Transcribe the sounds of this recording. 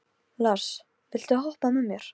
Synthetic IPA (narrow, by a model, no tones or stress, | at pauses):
laɾ̥s | vɪl̥t̪ʏhɔhpanʏmːjɛɾ̥